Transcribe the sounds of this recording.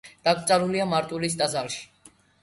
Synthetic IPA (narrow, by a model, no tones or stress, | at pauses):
d̪̥ak̚ʰt̪sʼaɾuliamaɾt̪ʼulis̬d̪ʼazalʃi̥